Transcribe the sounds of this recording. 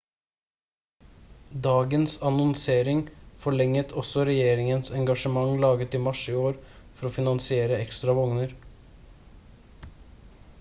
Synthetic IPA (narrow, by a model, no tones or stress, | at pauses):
d̪ɑːɡənsɑnɔnseːɾɪŋfɔɭɛŋət̪ʰɔsɔɾɛjeːɾɪŋənsɛŋɡɑʃəmɑŋlɑːɡət̪iːmɑʃiːoːɾ | fɔɾoːfɪnɑnsɪeːɾəɛkst̪ɾɑʋɔŋnəɾ